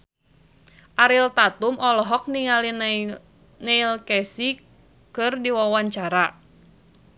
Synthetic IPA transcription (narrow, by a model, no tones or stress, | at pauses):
ʔaɾilt̪at̪umʔɔlɔɦɔk̚niŋalin | nɛilkɛsi | kɨrdiwawaɲt͡ʃaɾa